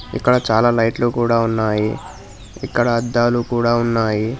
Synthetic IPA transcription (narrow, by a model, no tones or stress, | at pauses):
ḭkːɐɽɐt͡ʃaːlaːlɐjʈlukuːɽaːunːaːji | ḭkːɐɽɐːd̪ːaːlukuːɽaːunːaːji